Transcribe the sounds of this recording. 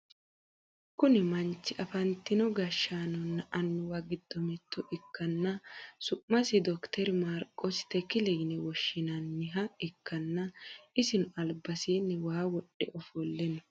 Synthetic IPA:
kʊnɪmɐnt͡ʃːɪʔɐfɐnt̪ːɪnɔɡɐʃːanɔnːɐʔɐnːʊwaɡɪd̪̥ːɔmɛt̪ːɔʔɪkːɐnːɐsʊʔːɐsɪd̪ɔkt̪ʰɛɾɪmaːɾkʼːɔsɪ̥t̪ɛkɪlɛjnɛwɔʃːɪnɐnːɪɦɐɪkːɐnːɐɪsɪnʊɐlbɐsiːnːɛwaːwɔɗːɛ̰ʔɔfɔlːɛnɔ

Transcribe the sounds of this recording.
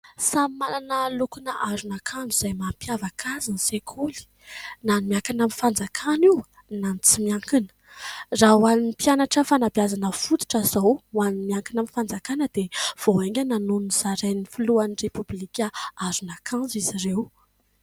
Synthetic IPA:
samimalanəlukunəʔaɾunakʰand͡zuizajmampjavakʰazinisekʰuli̥ | nanimiakanamifand͡zakʰaniw | nanit͡simiaŋkinə̥ | raɦwaniipianaʈ͡ʂəfanabjazanəfut̪i̥ʈ͡ʂəzawanimiaŋkinamifand͡zakanəd̪ev̥oeŋʲənanuniz̥aɾeninifiluanirepublikʲaazunakʰãnzizirew

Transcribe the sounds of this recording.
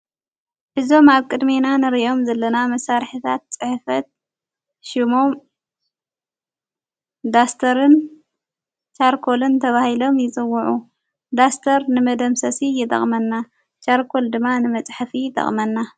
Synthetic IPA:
ʔɨzo̞maβkʼɨd̪menanɨɾiʔo̞mzɐlːɐnamɐsaɾħit̪ʰat̪̚t͡sʼɨħfɐt̪̚ | ʃimo̞m | d̪ast̪ʰɐɾɨn | t͡ʃaɾkʰo̞lɨnt̪ʰɐβahilo̞mjɪt͡sʼɨwːʊʕu | d̪ast̪ʰɐɾnɨmɐd̪ɐmsɐsijɪt̪ʼɐ̰χʼmɐnːa | t͡ʃaɾkʰo̞ld̪ɨmːanɨmɐt͡sʼħafit̪ʼɐ̰χʼmɐnːa

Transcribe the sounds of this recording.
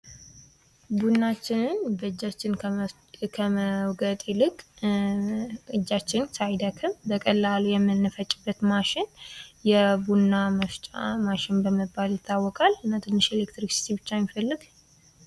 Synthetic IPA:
bunːat͡ʃːɪnɨnbəɨd͡ʒːat͡ʃːɪn | kʰəməwɡət̪ʼelɨkʼ | ɨd͡ʒːat͡ʃːɪnsajd̪əkʰɨmbəkʼəlːalujɛmːɨnːɨfət͡ʃʼːɪbːət̪maʃɪnjɛbunːaməft͡ʃʼa̰maʃɪnbəməbːaljɪt̪ːawːɔkʼalɨnːat̪ʰɨnːɨʃelekt̪ɾiksi̥t̪ʰibɨt͡ʃːamifəlːɨɡ

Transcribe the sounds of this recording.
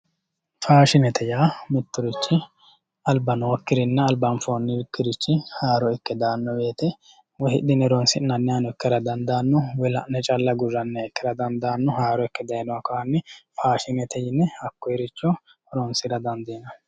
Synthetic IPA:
faːʃɪnɛt̪ʰɛjaːmɪt̪ːʊɾɪt͡ʃːɪ | ɐlbɐnoːkːɪɾɪnːɐɐlbɐnfoːnːɪkːɪɾɪt͡ʃːɪhaːɾɔɪkːɛd̪aːnːɔbe̞ːt̪ɛ | wɔhɪd̪ɪnɛɾɔnsɪnːɐnːɪjanɔɛkːɛɾɐd̪ɐnd̪aːnːɔwɛlɐnɛt͡ʃʼɐlːɐɡʊrːɐnːɛːkːɛɾɐd̪ɐnd̪aːnːɔhaːɾɔɪkːɛd̪ɐjnɔwɐkɔɐnːɛfaːʃɪnɛt̪ɛjɪnːɛɐkːɔjɛɾɪt͡ʃːɔ | ɾɔnsɪɾɐd̪ɐnd̪eːnɐ

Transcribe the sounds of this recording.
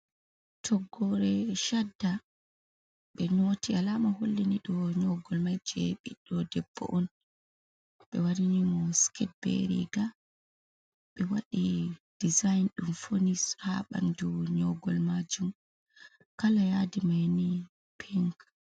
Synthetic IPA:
tʰɔɡːɔɾɛʃadːa | ɓɛnotʰialamaholːɛniɗɔɲɔɡɔlmajd͡ʒɛɓiɗɔdɛb̥ːɔ̰ʔɔn | ɓɛwaɾinimɔskʰɛt̚bɛ̰ɾḭɡa | ɓɛwaɗid̥izajnɗumfonishaɓa̰nd͡ʒɔɲɔɡɔlmad͡ʒum | kalajadimajni | pʰɛŋk

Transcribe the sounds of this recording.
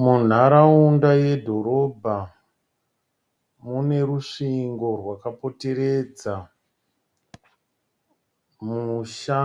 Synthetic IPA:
mun̤aɾaundaje̞dʱo̞ɾo̞bʱa | mune̞ɾuʂiŋɡo̞rwakapo̞te̞ɾe̞d͡za | muʃa

